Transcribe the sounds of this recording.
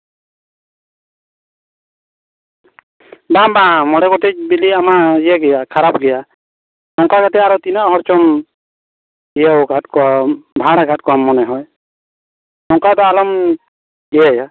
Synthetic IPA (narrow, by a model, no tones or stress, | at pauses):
babãmɔɽɛɡɔtɛc̚biliamaijɛɡɛjakʰaɾap̚ɡɛja | nɔŋkakat̪ɛaɾɔt̪inaʔɦɔɾt͡ʃɔm | ijɛɡʱatkɔabʱaɽaɡʱat̚kamːɔnɛɦɔj | nɔŋkad̪ɔalɔm | ɛjɛja